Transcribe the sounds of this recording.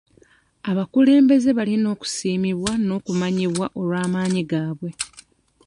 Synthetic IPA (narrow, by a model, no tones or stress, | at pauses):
aβakule̞ːmbe̞ze̞βalino̞ːku̥siːmiβwano̞ːkumaɲiβwaʔo̞lwaːmaːɲiɡaːβwe̞